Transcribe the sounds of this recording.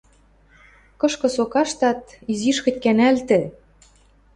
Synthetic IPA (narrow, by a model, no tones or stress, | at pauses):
kɤ̆ʃkɤ̆sokɑʃt̪ɑt̪iziʃkɤ̆tʲkænælt̪ɘ̆